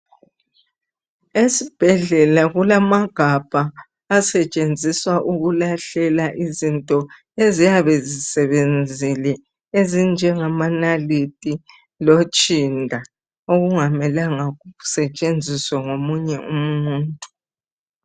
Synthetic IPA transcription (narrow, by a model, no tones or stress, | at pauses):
esib̥ʱɛɮɛlaɣulamaɡ̥ʱab̥ʱaː | sɛt͡ʃʼend͡zʱiswaʔuɣulaɬɛlaʔizintʼɔ | ezijaβɛzisɛβend͡zʱilɛ | ezind͡ʒʱɛŋamanalitʼi | lot͡ʃʼindʱa | oɣuŋamɛlaŋaɣuusɛt͡ʃʼend͡zʱiswaŋomuɲɛʔum̩uːntʼu̥